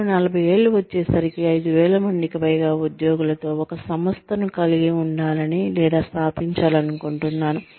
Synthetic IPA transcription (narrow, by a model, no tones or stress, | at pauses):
nɐlɐbʱɐje̞ːɭːuʋɐt͡ʃːɛːsɐɾikiɐjd̪uʋɛːɭɐmɐɳɖ̪ikipɐjɡaːud̪jo̞ːɡulɐt̪o̞ːɔkɐsɐmɐst̪ʰɐnukɐliɡiuɳɖaːlɐnilɛːd̪aːst̪ʰaːpiɲt͡ʃaːlɐnukoɳʈunːaːnu